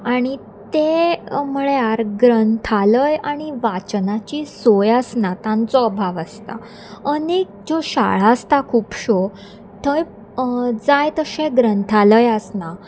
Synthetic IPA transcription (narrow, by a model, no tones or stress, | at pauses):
aɽ̃i | t̪eməɭeaɾɡɾənt̪ʰaləjaɽ̃iʋat͡ɕnat͡ɕisojəsnat̪ãnt͡sɔːbʱaʋəst̪a̰ | ənek̚d͡ʑɔɕa̰ɭ̤aəst̪akʰuːpɕo | t̪ʰəj | d͡zajt̪əɕẽɡɾənt̪ʰaləjəsna